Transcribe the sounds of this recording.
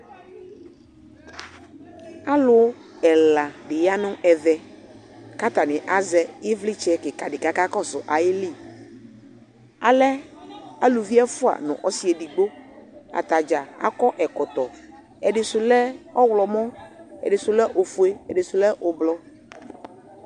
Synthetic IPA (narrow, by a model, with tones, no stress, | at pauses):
a˦lʊ˦ɛ˨la˨ɖɪ˨ja˦nʊ̃˦ʔɛ˨ðɛ˨ | ka˦t̪a˨nɪ̃˨ʔa˦zɛ˨ɪ˦vli˦t͡ʃɛ˦kɪ˨ka˨ɖɪ˨ka˦ka˦kɔ˦sʊ˨ʔa˨jɪ˦li˦˨ | a˨lɛ˦a˦lu˨vi˦a˦fʊ˦a̰˨nʊ̰̃˨ʔɔ˦si˦ɛ˨ɖi˨ɡ͡bo˦a̰˨t̪a˨d͡ʒa˨a̰˦kɔ˦ʔɛ˨kɔ˨t̪ɔ˨ | ɛ˨ɖɪ˨sʊ˨lɛ˦ɔ˦wlɔ˨mɔ̃˦ɛ̰˨ɖɪ˨sʊ˨lɛ˦ʔo˨fʊ˨e˦ɛ̰˨ɖɪ˨sʊ˨lɛ˦ʔʊ˨blɔ˨˦